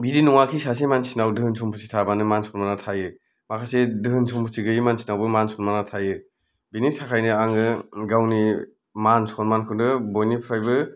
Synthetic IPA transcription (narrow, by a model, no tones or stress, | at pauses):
biɾinuŋakʰisas̬emansinawdɯɦɯnsʰumpʰusitʰabanɯmansʰɔnmanatʰajɯ | makʰasedɯɦɯnsʰɔmpʰusiɡɯjmansi̥nawbɯmansʰɔnmanatʰajɯ | binisakʰajnɯaŋɯɡawni | mansɔnmankʰɯndɯbojnipʰɾajbɯ